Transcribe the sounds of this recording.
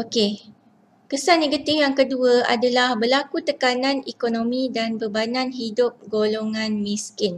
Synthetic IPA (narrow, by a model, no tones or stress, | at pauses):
oke | kəsanːẽɡət̪ɪfjaŋkəduaa̰dalahbərlakut̪əkanãnekonõmĩdanbərbanãnɦidʊp̚ɡoloŋãnmĩskɪn